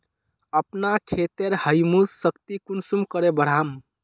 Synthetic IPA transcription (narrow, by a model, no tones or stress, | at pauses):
əpnakʰet̪eɾhəjmusːəkt̪ikunsumkəɾebəɽ̤am